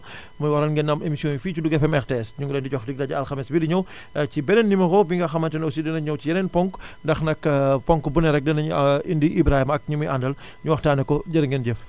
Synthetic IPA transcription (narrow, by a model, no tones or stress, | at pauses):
mujwɐɾɐlŋɡɛnɐmemisiɔ̃nufiːcuduɡɛfɛmɛxtɛstɲuŋɡɔlɛːndiɟɔxdik̚dɐɟɐɐlxɐmɛsbidiɲɐw | cibɛnɛnːimɐkɔbiŋɡɐxɐmɐntɛnɔwsidɐnɐɲɐwt͡ʃijɐnɛnpɔŋkndɐxnɐkpɔŋkbunɛɾɛk̚dɐnɐɲindiʔibɾahimɐk̚ɲumujʔandɐl | ɲuwɐxtaːnɛkɔɟɐɾɐŋɡɛnɟɛf